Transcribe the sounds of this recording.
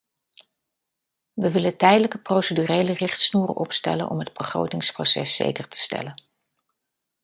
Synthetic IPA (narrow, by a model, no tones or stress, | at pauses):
ʋəʋɪləntɛjdələkəprowsədyrejlərɪχtsnuːrə̰nʔɔpstɛ̰lə̰nʔɔ̰mɦəd̚bəχro̰wtɪŋsprosɛsːḛjkəɹtʰə̥stɛ̰lən